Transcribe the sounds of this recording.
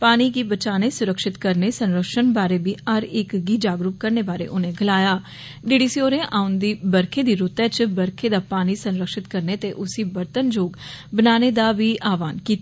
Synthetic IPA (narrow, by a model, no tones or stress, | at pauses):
paːniːkiːbət͡ʃaːneːsʊɾəkʃɪt̪kəɾneːsənɾəkʃənbaːɾeːbiːəɾɪkɡiːd͡ʒaːɡɾuːp̚kəɾneːbaːɾḛːʔʊnẽːɡəlaːjaː | ɖɪɖiːsioːɾẽːʔaːʊnd̪iːbəɾkʰẽːd̪iːɾʊt̪ɛːt͡ʃbəɾkʰeːd̪aːpaːniːsə̃nɾəkʃɪt̪kəɾneːt̪eːʔʊsiːbəɾt̪ənd͡ʒoːɡbənaːneːd̪aːʋiːʔaːʋaːnkiːt̪ː